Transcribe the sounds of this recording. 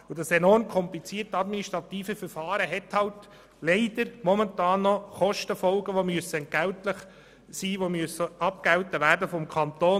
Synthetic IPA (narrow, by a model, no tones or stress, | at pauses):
ʊd̥ɑsɛnɔrmkʰɔmplit͡siːrtɑd̪miniʃtɾɑt̪iːfəfəɾfɑːɾəɦɛthɑlt | leɪd̥əɾmɔmɛntɑːnːɔχɔʃtəfɔlɡəʋomyəsənɡ̥æʊtləχ | siːʋomyəsəɑp̚ɡ̥æwtəʋæːɾdəfɔmkʰɑnt̪oː